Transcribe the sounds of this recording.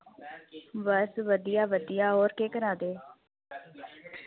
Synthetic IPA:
ʋəsʋəd̪ijaːʋəd̪ijaːɦoːɾkeːkəɾaːd̪eː

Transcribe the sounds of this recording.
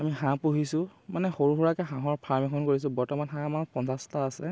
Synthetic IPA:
amiɦãpuɦisʊ̃manɛxoɹuɦɔɹakɛɦãɦɔɹpʰaɹmɛkʰɔnkoɹis̬ʊ̃bɔɹtɔmanɦãmapɔnsastaːsɛ

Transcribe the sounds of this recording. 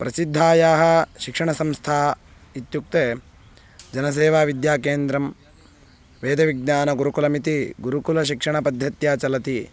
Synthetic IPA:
pɾɐsid̪ʱːaːjaːɦɐʃikʂɐɳɐsɐmst̪ʰaː | it̪juk̚t̪eː | d͡ʒɐnɐs̬eːʋaːʋid̪jaːkeːnd̪ɾɐm | ʋeːd̪ɐʋiɡ̚naːnɐɡuɾukulɐmit̪iɡuɾukulɐʃ̬ikʂɐɳɐpɐd̪ʱjɐt̪jaːt͡ʃɐlɐt̪i

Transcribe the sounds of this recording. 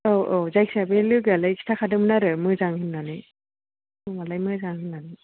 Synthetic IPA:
oʔozajkʰsabelɯɡalajkʰi̥tʰakʰadɯmɯnaɾɯmɯzaŋhʰɯnːanɯ | mɯmalajmɯzaŋhɯnːanɯ

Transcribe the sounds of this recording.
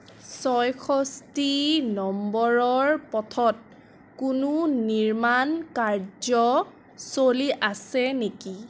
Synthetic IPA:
sɔjkʰɔstinɔmbɔɹɔɹpɔtʰɔt̚ | kununiɹmankaɹd͡ʒɔ | soliʔasɛneki

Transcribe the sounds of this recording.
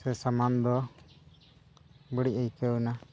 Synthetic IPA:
sɛsamand̪ɔ | bəɽiəjkəna

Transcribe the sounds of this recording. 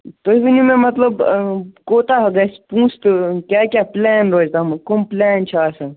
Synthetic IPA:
t̪oibʱinimẽmɐt̪ləbkoːt̪aɦɐɡɐspũːst̪kʲakʲaplɛːnɾoːd͡ʒt̪amkomplɛːnt͡ʃʰɐasɐ

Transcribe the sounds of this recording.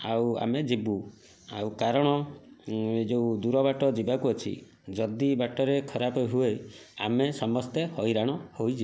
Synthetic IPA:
awa̰med͡ʒibu | a̰wkaɾɔɽ̃ɔ | d͡ʒeud̪uɾɔbaʈɔd͡ʒibakuɔt͡ʃʰḭ | d͡ʒɔd̪ibaʈɔɾekʰɔɾapɔɦueja̰mesɔmɔst̪ehɔjɾaɽ̃ɔhojd͡ʒi

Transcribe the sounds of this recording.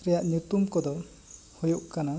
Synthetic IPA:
ɾɛjaʔɲjut̪umkɔd̪ɔ | hujuʔkana

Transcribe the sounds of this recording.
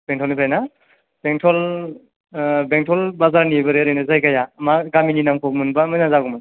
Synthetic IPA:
b̥eŋtʰɔlnipʰɾajna | b̥eŋtʰɔl | beŋtʰɔlbazaɾnibɯɾeɾejnazajkajamaɡamininamkʰɔk̚mɯnbamajnazaɡumɯn

